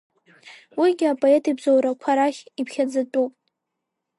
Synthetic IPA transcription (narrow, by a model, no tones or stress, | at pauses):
wiɡʲɪapʼoe̞tʰʼibzowɾakʷʰaɾaχʲipʰχʲad͡zatʼupʼ